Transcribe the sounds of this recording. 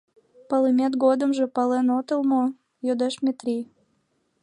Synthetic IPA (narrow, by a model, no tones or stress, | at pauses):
pɑlemʲet̪ɡod̪əmʒĕpɑlenot̪əlmo | jod̪eʃmʲet̪rʲi